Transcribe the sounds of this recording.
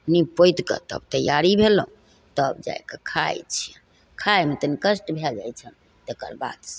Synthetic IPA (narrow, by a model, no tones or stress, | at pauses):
nipojt̪kə̰t̪ə̰bt̪əjaɾibʱelũ | t̪əbd͡ʒa̰jkekʰajt͡ʃʰi | kʰajmet̪ənikəsʈbʱeld͡ʒajt͡ʃʰən | t̪ekə̰ɾba̰d̪s